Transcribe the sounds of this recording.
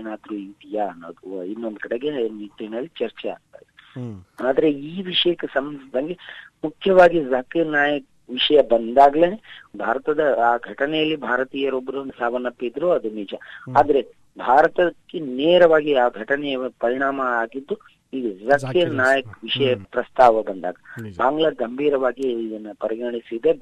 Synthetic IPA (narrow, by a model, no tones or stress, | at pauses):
enaːd̪ɾuint̪ijanːod̪uinːond̪ukɐɽeɡenit̪ːenɐlːit͡ʃɐɾt͡ʃɛa̰ːɡ̚t̪a̰ːid̪eaːd̪ɐɾe̞iːʋiʂɐjɐkːesɐmnsd̪ɐŋɡemukʰjɐʋaːɡizɐkiɾnaːjɐk̚ | ʋiʂɐjɐbɐnd̪aːɡleːnebʱaːɾɐt̪ɐd̪ɐaːɡʱɐʈɐnɛjɐlːibʱaːɾɐt̪iːjɐɾobɐɾunɐsaːʋɐnːɐpːid̪ɐɾoɐd̪umiːd͡ʒɐaːd̪ɐɾe | bʱaːɾɐt̪ɐkːeneːɾɐʋaːɡiaːɡʱɐʈɐnɛjɐpɐɾiɳ̃aːmɐaːɡid̪ːu | iːɡuzɐkiɾnaːjɐk̚ʋiʂɐjɐpɾɐst̪aːʋɐbɐnd̪a̰ːɡɐbaːŋɡɭɐɡɐmbʱiːɾɐʋaːɡiːd̪ɐnːɐpɐɾiɡɐɳisid̪e